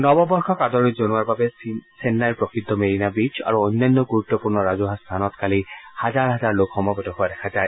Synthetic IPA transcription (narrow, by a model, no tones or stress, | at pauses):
nɔbɔbɔɹxʰɔkadɔɹizonuaɹbabɛsenːajpɹɔkid̪ʱːɔmeɹinabit͡ʃa̰ɹuɔnːanːɔɡuɹut̪ːɔpuɹnɔɹazuɦast̪ʰanɔtkalihazaɹɦazaɹlokxɔmɔbɔtɔɦoadɛkʰazaj